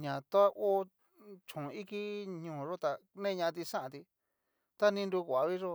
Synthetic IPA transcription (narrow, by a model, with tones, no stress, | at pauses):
ɲã˨t̪o˦a˦ʔo˦ | t͡ʃũ˨i˦ki˦ɲũː˨˧ʐo˦t̪a˨nẽː˦˧ɲã˧t̪i˧ʂã˦ʔã˨˧t̪i˧ | t̪a˦nĩ˧ndu˧kʷa˨˧βi˦ʐo˦